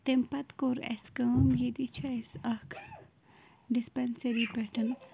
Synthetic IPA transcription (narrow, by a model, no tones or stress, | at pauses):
t̪empɐt̪koɾḛskɐmjed̪it͡ʃʰaesɐkʰ | ɖispenseɾipɛʈɐn